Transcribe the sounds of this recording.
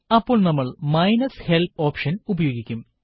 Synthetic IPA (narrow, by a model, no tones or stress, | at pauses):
ɐpːo̞ːɭnɐmːɐɭmɐjnɐshelpoːpʂɐnubɐjo̞ːɡikʲːum